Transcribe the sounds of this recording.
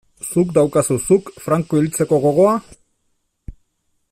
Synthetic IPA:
sukd̪awkasusukfɾaŋkoilt͡se̞ko̞ɣ̞o̞ɣ̞o̞a

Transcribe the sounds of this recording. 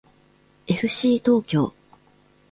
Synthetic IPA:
e̞ɸɯ̟ɕiːt̪o̞ːkʲo̞̰ː

